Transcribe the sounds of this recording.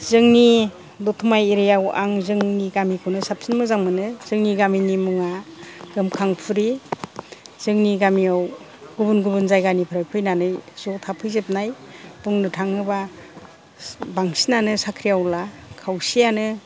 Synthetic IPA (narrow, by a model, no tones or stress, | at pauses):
zɯŋni | dɔtʰumajeɾijawa̰ŋzɯŋniɡamikʰunɯsap̚sinmɯzaŋmɯnɯz̥ɯŋniɡaminimuŋaɡ̥ɯmkʰaŋpʰuɾi | z̥ɯŋniɡamiaw | ɡ̥ubunɡubunzajɡanipʰɾajpʰɯjnanɯjz̥ɔtʰapʰɯjzep̚najbuŋnɯtʰaŋnɯba | baŋsinanɯsakʰɾijawlakʰawsijanɯ